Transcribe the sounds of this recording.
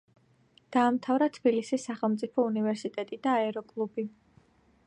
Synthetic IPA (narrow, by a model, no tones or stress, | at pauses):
d̪̥aːmt̪ʰavɾat̪ʰb̥ilisisːaχɛlˠmt̪sʼipʰɔunivɛɾsit̪ʼɛt̪ʼid̪aːɛɾɔkʼlˠubi